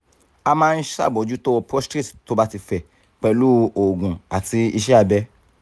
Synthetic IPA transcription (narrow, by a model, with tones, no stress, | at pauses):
a˧mãː˦˧n̩˦ʃa̰˦˨bɔ˨˦d͡ʒu˦to˦ɔ˧pɾɔ˦stɾi˦˨tto˦ba˦ti˧fɛ˨ | k͡pɛ˧lu˦o˨ɡũ˨a˨ti˧i˧ʃɛ˦a˧˨bɛ˦